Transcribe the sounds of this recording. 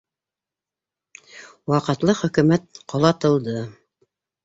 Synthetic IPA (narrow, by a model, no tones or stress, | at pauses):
wɑqɤ̆t̪lˠɤχɵ̆kɵ̆mæt̪̚qɑlˠɑt̪ɤ̆lˠd̪ɤ